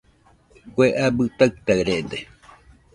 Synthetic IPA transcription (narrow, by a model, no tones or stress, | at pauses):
kʷeʔabɨt̪aɨt̪aɾed̪e